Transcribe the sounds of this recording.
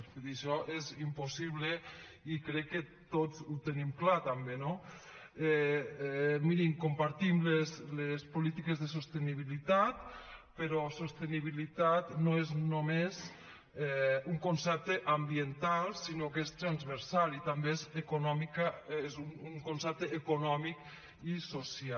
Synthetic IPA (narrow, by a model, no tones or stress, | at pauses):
iðiʃɔʔezimposiβleikɾɛkːe | t̪od͡zut̪enimklat̪ambeno | ɛ | miɾimkompaɾt̪imleslespolit̪ikezðesost̪eniβ̞ilit̪at̪peɾɔsost̪eniβ̞ilit̪at̪noeznomez | ɛuŋkonsɛp̚t̪eʔambient̪alˠsinokest̪ɾanzβeɾsalit̪ambeezekonɔmikaezunuŋkonsɛp̚t̪əːkonɔmik | isosia